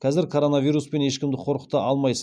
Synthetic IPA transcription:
kʰʲɑzɪɾkʰoɾo̞navijɾuspe̞ne̞ʃkʲɪmd̪ɪqʰo̞ɾqəqt̪ːɑʔɑlˠmɑjsə

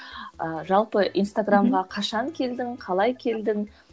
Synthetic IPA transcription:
əʒɑlˠpəʔijnst̪aɡramʁɑqʰɑʃɑŋkʲʰe̞ld̪ɪŋqʰɑlˠɑjkʲʰe̞ld̪ɪŋ

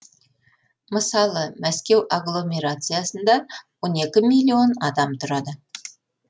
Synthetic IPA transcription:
məsɑlˠəmæskʲe̞waɡlˠo̞mʲe̞ɾat̪sɨjasənd̪ɑwo̞ne̞kʲɪmijlʲːio̞nɑd̪ɑmt̪ʰʊɾɑd̪ə

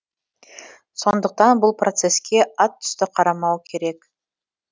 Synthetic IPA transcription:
so̞nd̪əq̚t̪ɑnbʊlˠprʔo̞t̪se̞skʲe̞ɑt̪ʰːʏ̥st̪ɪqʰɑɾɑmɑwkʲʰe̞ɾe̞k

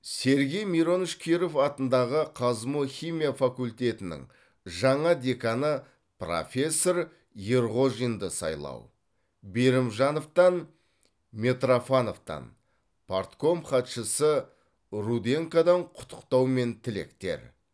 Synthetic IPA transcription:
se̞ɾɡʲe̞jmiɾo̞nəʃkʲʰeɾo̞fɑt̪ənd̪ɑʁəqʰɑzmuχʲijmʲijafakulʲt̪ʲe̞t̪ɪnɪ̰ŋ | ʒɑɴɑd̪ʲe̞kɑnə | pro̞̰fʲe̞sːo̞ɾ | je̞ɾʁo̞ʒijnd̪əsɑ̰jlˠɑ̰w | be̞ɾɪmʒɑno̞ft̪ɑn | me̞t̪rofano̞ft̪ɑ̰n | pʰort̪ko̞mχɑt̪ʃəsə | ɾud̪e̞ŋkad̪ɑɴqʰʊ̥t̪ʰːə̥qt̪ɑwme̞nt̪ʰɪle̞̰kt̪e̞̰ɾ

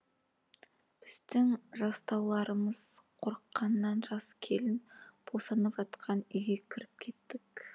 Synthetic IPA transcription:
b̥ɪzd̪ɪŋʒɑst̪ɑwlˠɑɾəməz̥qʰo̞ɾəqːɑnːɑnʒɑskʲʰe̞lɪnb̥ʰosɑnəpʒɑt̪qʰɑnʏjɡʲe̞kʲʰɪɾɪp̚kʲʰe̞t̪ːɪk

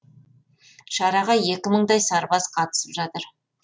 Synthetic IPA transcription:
ʃɑɾɑʁɑje̞kʲɪməɴd̪ɑjsɑɾbɑsqʰɑt̪ə̥səpʒɑt̪əɾ

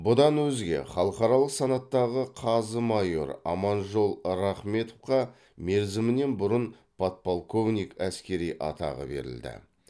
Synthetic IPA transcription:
bʊd̪ɑnwɵzɡʲe̞̰χɑlˠəqɑɾɑlˠəqsɑnɑt̪ːɑʁəqʰɑzəmɑjo̞̰ɾɑ̰mɑnʒo̞lˠɾɑχme̞t̪ofqɑ | me̞ɾzɪmɪne̞nbʊɾən | pʰot̪̚polˠko̞vnʲijkæskʲe̞ɾijʔɑ̰t̪ɑ̰ʁə̰be̞̰ɾɪ̰ld̪ɪ̰

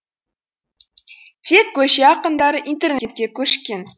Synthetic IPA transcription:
t̪ʰekʰʲːɵʃeɑqənd̪ɑɾəʔint̪e̞rnet̪̚kʲekʲʰɵʃkʲe̞n

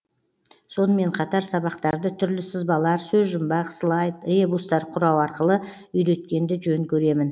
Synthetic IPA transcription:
so̞nəme̞ɴqʰɑt̪ɑɾsɑβɑqt̪ɑɾd̪ət̪ʰʏɾlɪsəzbɑlˠɑɾsɵzʒʊmbɑqslˠɑjt̪əebust̪ɑɾqʰʊɾɑwɑɾqəlˠə | ʏjɾe̞t̪kʲe̞nd̪ɪʒɵŋkʲʰɵɾe̞mɪn

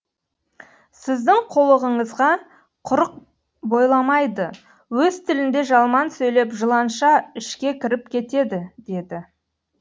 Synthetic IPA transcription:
sɪzd̪ɪŋqʰo̞lˠəʁəɴəzʁɑ | qʰʊɾəq̚ | bo̞jlˠɑmɑjd̪ə | wɵzt̪ʰɪlɪnd̪e̞ʒɑlˠmɑnsɵjle̞pʒəlˠɑnʃɑɪʃkʲe̞kʲʰɪɾɪp̚kʲʰe̞t̪e̞d̪ɪd̪e̞d̪ɪ

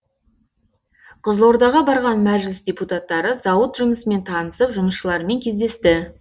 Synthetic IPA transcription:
qʰəzlˠo̞ɾd̪ɑʁɑbɑɾʁɑnmæʒlɪsdʲeput̪at̪ːɑɾəzɑwət̪ʒʊməsəme̞nt̪ʰɑnəsəpʒʊməsʃəlˠɑɾme̞ŋkʲʰe̞zd̪est̪ɪ

